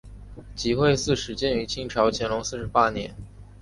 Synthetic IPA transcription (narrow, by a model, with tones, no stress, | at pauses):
t͡ɕi˧˥xwe˥˧ɪsɹ̩˥˩ʂɻ̩˨˥t͡ɕjɛ˥˩ny˧˥t͡ɕʰi˥ŋʈ͡ʂʰɑ˧˥ʊt͡ɕʰjɛ˧˥nlʊ˧˥ŋsɹ̩˥˩ʂɻ̩˧˥pa˥njɛ˧˥n